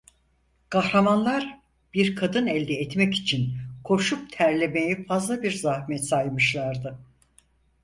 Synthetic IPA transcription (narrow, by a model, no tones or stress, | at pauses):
kʰahɾamanlˠaɾ | b̥iɾkʰad̪ɯnɛlʲd̪ɛːt̪mɛci̥t͡ʃʰinkʰo̞ʃup̚t̪ʰæɾlʲemejifazlˠabiɾzahmɛt̪sajmɯʃlˠaɾd̪ɯ